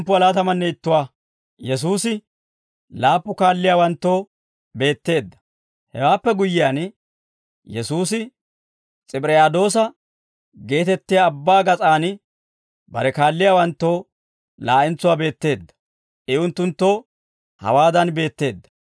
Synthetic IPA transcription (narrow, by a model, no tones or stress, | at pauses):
mpːʊɐlaːt̪ɐmɐnːɛɪt̪ːʊwaː | jɛs̬uːsɪ | laːpːʊkaːlːɪjaːwɐnt̪ːo̞ː | be̞ːt̪ːe̞ːd̪ːɐ̥ | hɛwaːpːɛɡʊjːɪjaːn | jɛsuːsɪ | t͡sʼɪpʼɾɛjaːd̪o̞ːsɐ | ɡe̞ːt̪ɛt̪ːɪjaːbːaːɡɐt͡sʼaːn | bɐ̰ɾɛkaːlːɪjaːwɐnt̪ːo̞ː | laːʔɪnt͡sːʊwaːbe̞ːt̪ːe̞ːd̪ːɐ̥ | ʔɪʊnt̪ːʊnt̪ːo̞ː | hɐ̰waːd̪ɐnbe̞ːt̪ːe̞ːd̪ːɐ̥